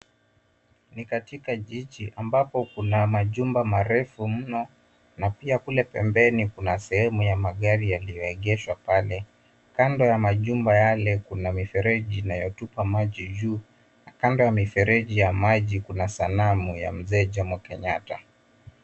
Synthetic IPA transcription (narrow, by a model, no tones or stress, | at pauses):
nikatikaʄiʄiʔambapɔkunamaʄumbamaɾɛfum̩nɔ | napiakulɛpɛmbɛnikunasɛhɛmujamaɠaɾijalijɔɛɠɛʃwapalɛ | kandɔjamaʄumbajalɛkunamifɛɾɛʄinajɔtupamaʄiʄuː | nakandɔjamifɛɾɛʄijamaʄikunasanamuja̰m̩zɛːʄamwakɛɲata